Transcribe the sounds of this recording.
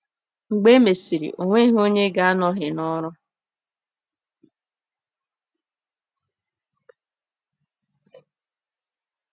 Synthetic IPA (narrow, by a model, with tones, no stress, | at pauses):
ŋ͡m̩˨ɡ͡be˦me˨si˨ɾḭ˨ʔo˨ŋʷe˦ɦo˦ɲe˦ɡa˦a˦nɔ˦ɦɪ˨nɔ˦ɾʊ˦